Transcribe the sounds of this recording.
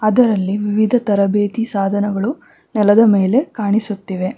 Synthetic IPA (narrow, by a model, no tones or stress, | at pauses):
ɐd̪ɐɾɐlːiʋiʋid̪ʱɐt̪ɐɾɐbeːt̪isaːd̪ʱɐnɐɡɐɭu | nɛlɐd̪ɐmeːle̞kaːɳisut̪ːiʋe̞